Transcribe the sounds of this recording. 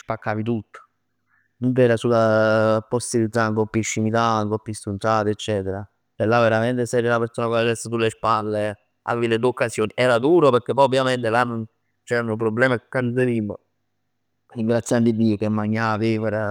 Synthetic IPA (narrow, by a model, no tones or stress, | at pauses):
spakːaːvit̪̬ut̪ːo̥ | nunt̪ɛːɾasulapɔst̪ilid̪aŋkopːiʃːimit̪aŋkopːist̪unt̪aːt̪iet͡ʃːɛːt̪eɾa | elːavːeɾament̪esɛɾelapeɾsoːnakaed̪ɛsːasulːespalːe | a̰veːviled̪uokːasjoːniʔɛːɾad̪uːɾopeɾk̟epːɔjobjament̪elanːon | t͡ʃɛɾanupɾobːlɛːmakːanzeɾimːo̰ | ɾiŋɡɾat̪sːjand̪id̪ːiːokemːaɲːaːviɛɾa